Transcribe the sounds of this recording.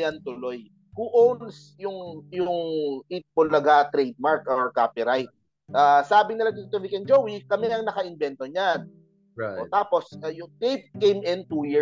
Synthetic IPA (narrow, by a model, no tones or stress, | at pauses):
jant̪ʊloj | huʔowns | jʊŋjʊŋʔit̪̚polɐɡat̪ɾɛjd̪̚maɹkoɹkaːpɪɾajt̪̚ | ʔaːsaːbɪŋnɪlad̪iːt̪ovikɛnd͡ʒowwikɐmɛɐŋnɐkɐʔɪnbɛnt̪oɲan | ʔot̪aːpo̞sɐjʊŋt̪ejt̪̚kejmɪnt̪uji